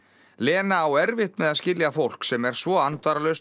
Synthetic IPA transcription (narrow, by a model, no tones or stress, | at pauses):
lɛːnaːwɛɾvɪht̪mɛðaðscɪljafowl̥ksɛmɛɾ̥svɔant̪vaɾalœs